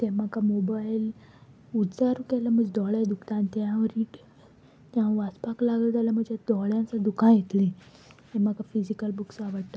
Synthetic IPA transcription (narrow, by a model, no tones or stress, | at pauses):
t̪ɛ̃makamobajl | ud̪d͡zaɾukɛlam̤əd͡ʑd̪ɔɭjad̪ukt̪ãnt̪aãɾiʈ | t̪aãʋaspaklaɡəd͡z̪alam̤əd͡ʑad̪ɔɭjãnsad̪ukʰãjet̪lĩ | ɛ̃m̤akafizikəlbuksaʋəɽʈ̪a